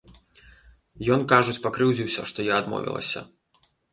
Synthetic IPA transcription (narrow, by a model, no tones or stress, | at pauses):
jɔnkaʐut͡sʲpakɾɨwzʲiwsʲɐʂt̪ɔjaːd̪mɔ̰vʲḭlˠɐ̰sʲɐ̰